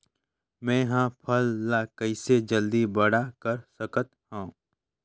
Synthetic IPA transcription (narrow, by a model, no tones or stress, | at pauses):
mɛ̃ːɦãːpʰɐlːakɐɪsed͡ʒəld̪ibɐɽakɐɾsəkət̪hãː